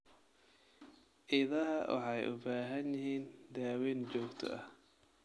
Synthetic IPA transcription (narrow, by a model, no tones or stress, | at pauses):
ʔɪðɐɦɐwɑ̰ħɑjʔʊ̰baːɦɐnjɪɦiːnd̪aːwiːnt͡ʃɔːɡt̪ʰɔ̰ɐh